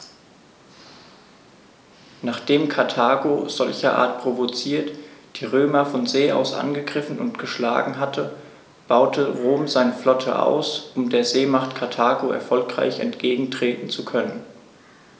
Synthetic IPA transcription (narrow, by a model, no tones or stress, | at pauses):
naːχd̥eːmkʰaɐtʰaːɡoz̥ɔlçɐʔa̰ːɐt̚pʁ̥ovot͡siːɐtd̥iːʁøːmɐfɔnzeːʔa̰ʊsʔa̰nɡəɡʁɪfn̩ʊntɡ̥əʃla̰ːɡŋ̩ɦatʰə | b̥aʊtʰəʁoːmzaɪnəflɔtʰə̰ʔa̰ʊsʔʊmdeːɐzeːmaχtkʰaɐtʰaːɡoʔɛ̰ɐfɔlkʁ̥a̰ɪçɛ̰ntɡ̥eːɡŋ̩tʁ̥eːtn̩t͡sukʰœnən